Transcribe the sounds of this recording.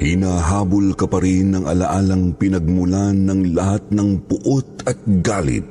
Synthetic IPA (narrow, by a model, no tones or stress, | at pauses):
hɪnaɦaːbʊlkɐpɐɾinːɐŋʔɐ̰laʔaːlɐŋpɪnɐɡ̚mʊlanːɐŋlɐhat̪̚nɐŋpʊʔot̪̚ɐt̪̚ɡaːlɪ̰t̪̚